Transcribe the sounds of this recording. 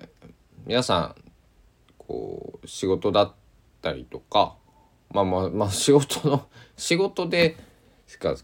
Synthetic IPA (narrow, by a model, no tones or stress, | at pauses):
mʲinasã̰ɴ | kʰo̰ːɕiɡo̞t̪o̞d̪at̪ː | aɾʲḭt̪o̞ka̰ | maːmamaɕiɡo̞t̪ono̞ɕiɡo̞t̪o̞d̪e̞ | ska̰